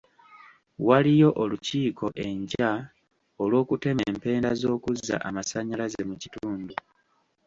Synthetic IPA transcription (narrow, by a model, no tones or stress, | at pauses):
walijo̞ʔoluciːkʰo̞ʔe̞ɲɟa | olwo̞ːkute̞mempe̞ːndazo̞ːkuzːa̰ʔamasaɲalaze̞mucituːndu